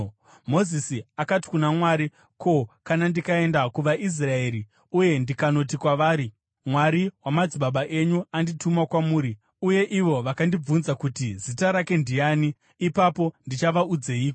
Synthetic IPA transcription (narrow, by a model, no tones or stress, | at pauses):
mo̞zisiakati̥kunamwaːɾi | kʰo̞kanandikae̞ndakuʋaʔis̬rae̞ːɾi | uje̞ndikano̞tikwaʋaːɾi | mwaɾiwamad͡ziɓaɓaʔe̞ɲuanditumakwamuːɾi | uje̞ʔiʋo̞ʋakandib͡vunzakutizitaɾake̞ndijaːniː | papo̞ndit͡ʃaʋaud͡ze̞iːko